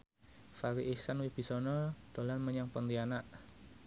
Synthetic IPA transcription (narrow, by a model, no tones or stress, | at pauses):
faɾiʔihsanwib̥i̤sɔnɔd̪̥o̤lanməɲaŋpɔnt̪ianaʔ